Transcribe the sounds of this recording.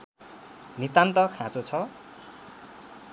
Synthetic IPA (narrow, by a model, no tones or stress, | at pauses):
nit̪ant̪ʌkʰãt͡sot͡sʰʌ